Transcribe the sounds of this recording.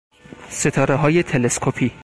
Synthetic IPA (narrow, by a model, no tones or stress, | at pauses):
se̞t̪ʰɒːɾeɦɒːje̞t̪ʰe̞le̞skʰopʰiː